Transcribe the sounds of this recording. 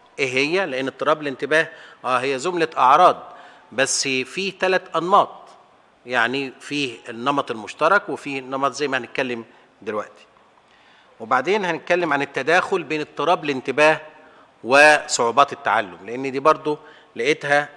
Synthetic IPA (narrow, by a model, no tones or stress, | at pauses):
ʔeɦejːæleʔenːet̪ˤːɨɾˤɑːblent̪ɪbæːhʔæːɦejːæzʊmlæʔɑʕɾˤɑːd̪̚ˤ | bæsːfiːt̪ælæt̪ʔɑnmɑːt̪̚ˤ | jaʕnifiːhenːɑmɑt̪ˤelmʊʃt̪ɑɾˤɑkwefiːnːɑmɑt̪ˤzæjːmæhænet̪̚kælːem | d̪elwæʔt̪i̥ | webaʕd̪eːnhænet̪̚kælːemʕanɪt̪ːæd̪æːxolbeːnet̪ˤːɨɾˤɑːblɪnt̪ɪbæːh | wesˤoʕuːbɑːt̪et̪ːa̰ʕa̰lːʊmleʔenːd̪iːbɑɾˤd̪ˤo | læʔet̪hæ